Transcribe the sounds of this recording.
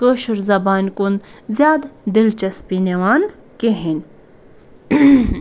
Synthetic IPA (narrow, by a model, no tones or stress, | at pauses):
kəʃuɾzɐbaːnkunzʲjaːd̪d̪ilt͡ʃɐspinewaːn | keɦin